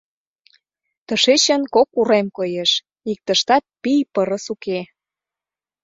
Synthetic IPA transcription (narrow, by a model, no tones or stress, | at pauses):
t̪əʃet͡ɕə̆nkokuɾemkojeʃ | ik̚t̪əʃt̪ɑt̪̚pijpəɾə̆suke